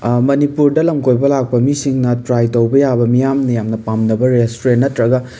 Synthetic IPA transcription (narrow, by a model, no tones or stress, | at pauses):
mɐnipuɾdɐlɐmkojbɐlak̚pɐmisiŋnɐtɾajtɐwbɐjabɐmijamnɐjamnɐpamnɐbɐɾestoɾenːɐtɾɐɡɐ